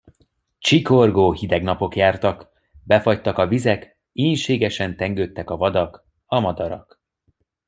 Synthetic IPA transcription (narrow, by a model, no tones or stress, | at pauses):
t͡ʃiko̞rɡoːhid̪ɛɡnɒpo̞kjaːrt̪ɒk | bɛfɒct̪ːɒkɒvizɛk | eːnʃeːɡɛʃɛnt̪ɛŋɡøːt̪ːɛkɒvɒd̪ɒk | ɒmɒd̪ɒɾɒ̰k